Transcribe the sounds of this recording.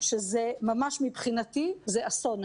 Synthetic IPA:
ʃezemamaʃmibχinat̪izeʔason

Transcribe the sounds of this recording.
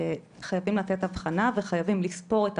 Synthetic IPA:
e | χajavimlat̪et̪avχanaveχajavimlispo̞ʁet

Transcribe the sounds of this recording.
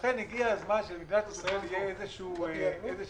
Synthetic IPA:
χeneɡiazmanʃelmidnat̪isʁaeljeezeʃueeze

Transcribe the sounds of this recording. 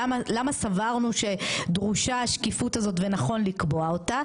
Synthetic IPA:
malamasavaʁnuʃe̞dʁuʃaːʃkifutazo̞tvenaχo̞nlikbo̞ao̞ta

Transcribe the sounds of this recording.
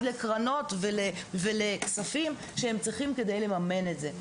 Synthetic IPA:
dlekʁano̞tveleveleksafim | ʃehemt͡sʁiχimke̞dejle̞mame̞netze

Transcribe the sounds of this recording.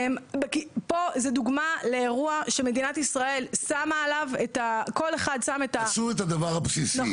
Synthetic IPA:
mbekipozeduɡmaleːʁuaʃeme̞dinatisʁae̞lsamaːlavetako̞le̞χad̪same̞tasuʁetad̪avaʁapsisi

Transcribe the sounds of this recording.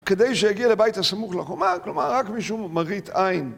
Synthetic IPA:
kedejʃejaɡialebajthasamuχlaχomaklomaʁːakmiʃumːaʁitajn

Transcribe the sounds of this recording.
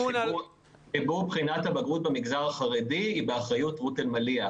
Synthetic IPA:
ibuʁbχinathabaɡʁut̚bemiɡzaʁaχaʁediːbeaχʁajutʁutelmalia

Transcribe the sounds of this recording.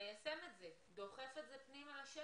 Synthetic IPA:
jasemetze | d̪o̞χe̞fetzepnimaaʃe

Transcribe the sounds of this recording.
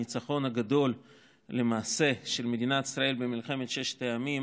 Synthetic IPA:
it͡saχo̞nhaɡad̪o̞l | le̞maːse̞ʃe̞lme̞d̪inat̪i̥sʁae̞lbemilχe̞met̪ʃeʃt̪ajamim

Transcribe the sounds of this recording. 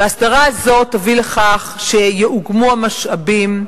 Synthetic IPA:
baasdaʁaːzo̞tːavile̞χaχʃe̞jeʔuɡmuamaʃabim

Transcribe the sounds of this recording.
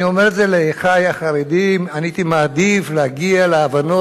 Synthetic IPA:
io̞meʁetzeleχajaχaʁed̪imanit̪imaːd̪ifleaɡialeavano

